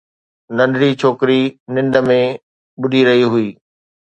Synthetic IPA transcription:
nɐ̃nɖ̪ɽit͡ɕʰoːkɾinɪ̃nd̪ə̆mẽ | ɓʊɗʱiɾɐɦiɦʊiː

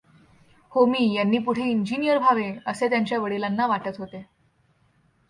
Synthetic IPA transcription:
homiːjanːiːpuɽ̤eiɲd͡ʑinijəɾbʱaʋeəset̪jaɲt͡ɕjaʋəɽilanːaʋaʈət̪ɦot̪e

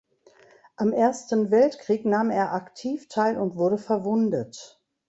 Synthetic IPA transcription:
ʔamʔeːɐstn̩vɛltkʁ̥iːknaːmeːɐʔaktʰiːftʰaɪlʊntv̥ʊɐdəfɛɐvʊndət

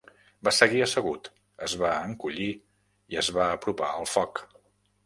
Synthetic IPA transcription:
basəɣiəsəɣ̞ut̪ | əzβaəŋkuʎi | iəzβaəpɾupa̰əlˠfɔk

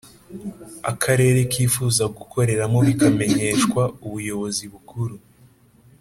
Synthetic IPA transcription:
a̰kʰaɾe̞ːɾe̞kiːfuːzaɡukʰo̞ɾe̞ɾamo̞βikame̞ɲe̞ʃkwauβujo̞βo̞ziβukuɾu

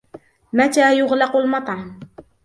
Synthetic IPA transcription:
mat̪aːjʊɣlɑqʊlmɑt̪ˤʕɑm

